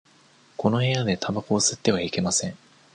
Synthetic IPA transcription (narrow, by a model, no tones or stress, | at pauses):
ko̞no̞he̞jad̪e̞t̪ʰabako̞ːsɨt̪ːe̞β̞aike̞masẽ̞ŋ